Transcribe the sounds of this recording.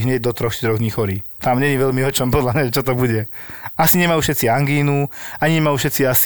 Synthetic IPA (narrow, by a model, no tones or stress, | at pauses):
ɦɲɛɟ̚d̪ɔt̪ɾɔxʃt̪ɾɔɣd̪ɲiːxɔɾiːt̪amɲɛɲiʋɛʎmiɦɔt͡ʃɔmpɔd̪lamɲaɛt͡ʃɔt̪ɔbuɟɛasiɲɛmajuʃɛt͡siaŋɡiːnuaɲiɲɛmajufʃɛt͡sias